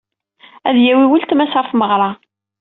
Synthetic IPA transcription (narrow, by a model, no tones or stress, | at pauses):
æðjæwiwəlt̪mæsfməʁɾˤɑ